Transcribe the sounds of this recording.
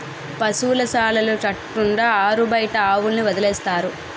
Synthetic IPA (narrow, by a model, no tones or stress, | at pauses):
pɐsuːlɐsaːlɐlut͡ʃɐʈːuɳɖaːaːɾubɐjʈɐaːwulniʋɐd̪ɐlɛːst̪aːɾu